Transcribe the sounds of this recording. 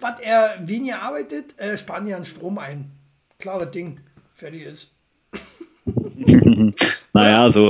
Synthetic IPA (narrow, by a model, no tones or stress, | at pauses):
v̥ateːɐveːnɪçɐʔaɐbaɪtətʔɛːʃpaːnjianʃtʁ̥oːmaɪn | kʰl̥aːʁəd̥ɪŋ | fɛɐdɪçɪs | najaːzoː